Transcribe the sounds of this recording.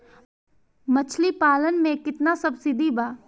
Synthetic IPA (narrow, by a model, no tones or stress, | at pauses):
mɐt͡ʃʰlipaːlənmẽkɪt̪nasɐbsɪd̪ibaː